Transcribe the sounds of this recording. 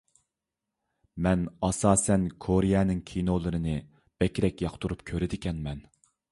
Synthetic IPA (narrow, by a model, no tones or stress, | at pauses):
mɛnɑsɑːsɛnkʰoɾijɛnɪŋkʲʰinolˠɨɾɨnɨ | b̥ɛkʲɾɛkʲjɑqt̪uɾupkʲʰøɾɪd̪ɪkʲʰɛnmɛn